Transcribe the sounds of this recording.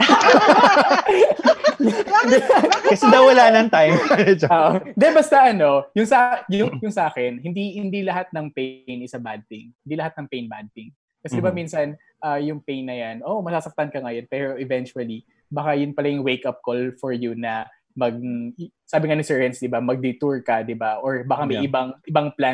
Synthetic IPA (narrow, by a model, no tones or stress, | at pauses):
d̪ɛkɐsɛd̪ɐwwɐlaːnɐnt̪ajoŋaɾɛd͡ʒaʔod̪ɛbɐst̪ɐʔɐno̞jʊŋsɐʔajʊŋjʊŋsɐʔaːkɛnhɪnd̪ihɪnd̪ilɐɦat̪̚nɐŋpejnɪsabad̪̚t̪ɪŋhɪnd̪iːlɐɦat̪̚nɐŋpɛjnbad̪t̪ɪŋ | kɐsɛd̪ɪbaminsɐn | ʔaːjʊŋpejnːɐjanʔoʔmɐsaːsɐk̚t̪ɐnkɐŋɐjonpɛːɾoʔɪvɛnt͡ʃuɐli | bɐkajʊnpɐlɐjʊŋwejkʔɐp̚kolfɔɹjʊnɐ | mɐɡ̚saːbɪŋanɪsɛɹɐnsd̪ɪbamɐɡ̚d̪ɪt̪uɹkɐd̪ɪbaʔoɹbakamɐjʔɪbaŋʔɪbɐŋplan